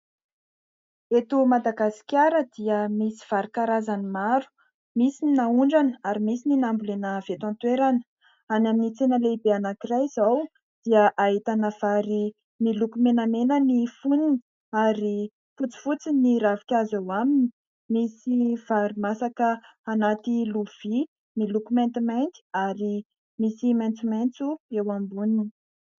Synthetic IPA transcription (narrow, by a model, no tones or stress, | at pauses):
et̪umad̪aɡasi̥kʲaɾəd̪iəmisi̥v̥aɾikaɾazanimaɾu̥ | misininauɳɖ͡ʐanəaɾimisininambulenəv̥et̪ãnt̪weɾanə̥ | anaminit͡senəleibeanakirajz̥aw | d̪̥iəʔaɦit̪anəv̥aɾi | milukumenəmenənifunini | aɾi | fut͡si̥fut͡siniɾavi̥kʲazawamini̥ | misiv̥aɾimasakə | anat̪iluv̥i | milukumɛ̃nt̪imajnt̪i̥aɾi | misimajnt͡sumajnt͡suewambunini̥